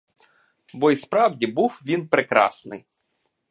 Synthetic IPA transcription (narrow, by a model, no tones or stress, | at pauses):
bɔispɾɑwdʲibuwʋʲinpɾekɾɑ̰snɪ̰j